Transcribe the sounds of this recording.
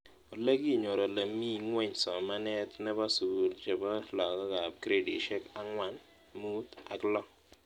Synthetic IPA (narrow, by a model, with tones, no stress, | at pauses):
o˨le˦ɡi˦˨ɲo˨ɾo˨le˨mi˦˨ŋwɛ˦ɲsɔ˨ma˦nɛ˦t̪nɛ˦ba˦su˨lt͡ʃe˨bɔ˦lɔ˨ɡɔ˦ka˨p̚kɾe˦dḭ˨ʃɛ˦ka˦ŋwa˨n | mu˦t̪a̰˨klɔ˦